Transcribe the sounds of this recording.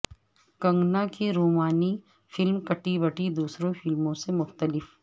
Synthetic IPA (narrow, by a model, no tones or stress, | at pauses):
kɐ̃ŋɡnakeɾoːmaːni | fɪlmkɐʈibɐʈid̪uːsɾõfɪlmõsemʊxt̪əlɪf